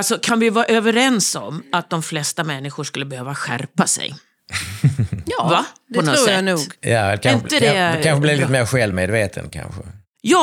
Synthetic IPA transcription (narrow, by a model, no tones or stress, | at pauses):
lsɔkʰanvɪjʏvɑːɾaʔøːvəɾɛnsɔ̰mat̪̚d̪ɔmflɛst̪amɛnːɪɧʊʂkɵlːəbɛhøːvaɧæ̰ɾpasɛ̰j | jɑːvapdɔnɔsnuːɡjɛkʰaɪnəd̪ɛkʰanɧəblɪvliːt̪əmeːɾɧɛlvmeːd̪veːt̪ʰə̰nkʰa̰nɧə | jɑ